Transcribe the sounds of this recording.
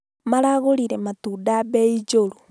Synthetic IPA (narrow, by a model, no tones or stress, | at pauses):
maɾaɣoɾiɾematudabeid͡ʒoɾo